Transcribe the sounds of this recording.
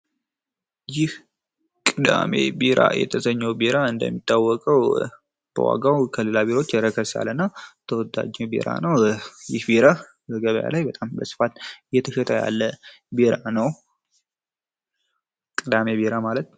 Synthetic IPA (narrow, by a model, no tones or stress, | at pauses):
jɪh | kʼɨd̪a̰me̞̰beɾa̰jɛ̰t̪ʰəsəɲːəwbeɾaɨnd̪ə̰mːit̪ʼːawːɔkʼəw | b̥ə̰wa̰ɡawkʰəlɨlabeɾo̞t͡ʃːɛɾəkʰəsa̰lənːat̪ʰəwɔd̪a̰d͡ʒɛbḛɾa̰nəwjɪhbeɾa | bəɡəβəja̰lajbət̪ʼambəsɨ̥fat̪jɛt̪ʰəʃət̪ʼəja̰lːə | beɾanəw | kʼɨd̪ame̞beɾamalət̪